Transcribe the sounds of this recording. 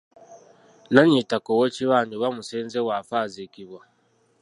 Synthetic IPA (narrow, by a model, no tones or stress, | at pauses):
naɲitakowot͡ʃiwaniwamusenzewaɸazekiba